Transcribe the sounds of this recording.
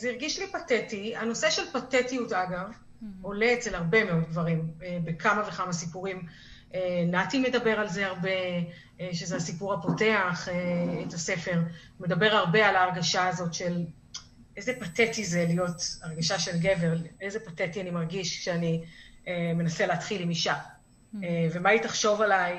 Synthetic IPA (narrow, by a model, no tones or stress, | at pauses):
aziʁɡiʃlipatetiano̞seʃe̞lpatetijutaɡav | o̞leett͡selhaʁbe̞me̞o̞d̚ɡvaʁimebekʰamavekamasipuʁim | enatime̞dabe̞ʁalzeaʁbe̞ | ʃezeasipuʁhapo̞te̞aχeetase̞fe̞ʁ | me̞dabe̞ʁaʁbe̞alaːʁɡaʃaːzo̞tʃe̞l | ʔezepatetizelijo̞taʁɡaʃaʃe̞lɡe̞ve̞ʁejzepatetianimaʁɡiʃkʃeanieme̞naseleːtχilimiʃa | eve̞maitaχʃo̞valaj